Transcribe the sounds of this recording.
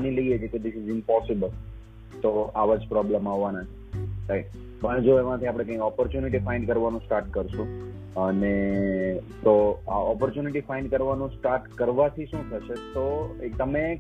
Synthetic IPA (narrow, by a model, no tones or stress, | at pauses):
niləiet͡ʃʰeked̪ɪsɪzɪmpɔsɪbəl | t̪oaʋad͡ʒpɾɔbləmaɦʋanat͡ʃʰelai | pəɳ̃d͡ʒoeʋanət̪ʰiapɽ̃ekə̃ĩkɔpəɾt͡ʃjuniʈifaɪɳɖkəɾʋanũsʈaɾʈ̚kəɾʃũ | əne | t̪oa̰ɔpəɾt͡ʃjuniʈifaɪ̃ɳɖkəɾʋanũsʈaɾʈkəɾʋat̪ʰiʃũt̪ʰəʃet̪ot̪əme